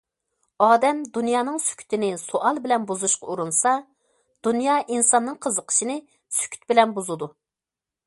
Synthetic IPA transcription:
ɑːd̪ɛmd̪unjɑːnɨŋsy̥kʲʰy̥t̪ʰɪnɪsoʔɑlˠbɪlɛnbuzuʃqɑuɾunsɑ | d̪̥unjɑʔinsɑnːɨŋqʰəzəqʰə̥ʃinɪ | sy̥kʲʰy̥t̪̚bɪlɛnbuzɨd̪u

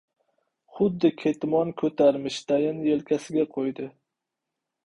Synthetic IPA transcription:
χʊd̪ːɪkʲʰet̪mɒnkʰɵt̪ʰaɾmɪʃt̪ʰajɪnjelkʲʰasɪɡʲaqʰojd̪ɪ

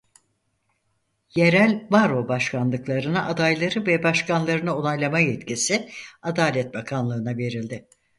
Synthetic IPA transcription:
je̞ɾælʲbaɾo̞baʃkʰanlˠɯklˠaɾɯnaʔad̪ajlˠaɾɯvɛbaʃkanlˠaɾɯnao̞nˠajlˠamajɛt̪cisɪad̪aːlʲɛt̪̚bakʰanlˠɯːnave̞ɾilʲd̪ɪ

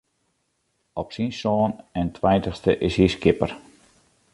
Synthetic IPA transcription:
ɔpsinsoːnɛntʰʋɛjntəχstəʔɪshiskɪpər

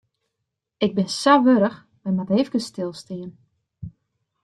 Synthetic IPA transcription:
ɪɡ̚bɪnsaʋøɾəx | mɛjmatɦeːfkəstɪlˠstiən

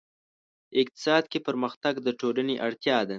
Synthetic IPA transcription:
ɪk̚t̪ɪ̥sɑd̪kepəɾməxt̪aɡd̪əʈolaneʔaɽt̪jɑd̪a

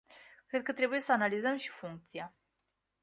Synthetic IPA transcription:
kɾe̞d̪̚kət̪ɾe̞buje̞səanalizəmʃi̥fuŋk̚t̪sia

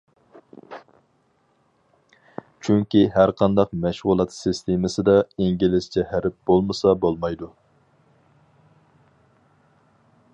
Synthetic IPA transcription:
t͡ʃʰyŋkʲiɦæɾqʰɑnd̪ɑqmæʃʁʊlˠɑt̪sɨst̪ʰemɨsɨd̪ɑiŋɡʲilɪst͡ʃʰɛhæɾɪp̚b̥olˠmɨsɑbolˠmɑjd̪u

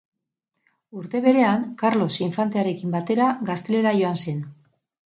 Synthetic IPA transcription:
uɾt̪e̞βe̞ɾe̞aŋkaɾlo̞siɱfant̪e̞aɾe̞kimbat̪e̞ɾaɡast̪e̞le̞ɾaʝo̞anse̞n

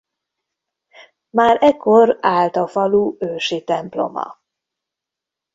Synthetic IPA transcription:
maːɾɛkʰːo̞raːlt̪ɒfɒluːøːʃit̪ɛmplo̞̰mɒ̰

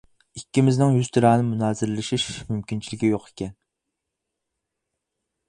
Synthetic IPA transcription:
ikʲːimɪznɪŋjyz̥t̪ʰɨɾɑːnɨmunɑːzɪɾɪlɪʃiʃmymkʲint͡ʃʰilɪɡʲijoqʰe̥kʲɛn

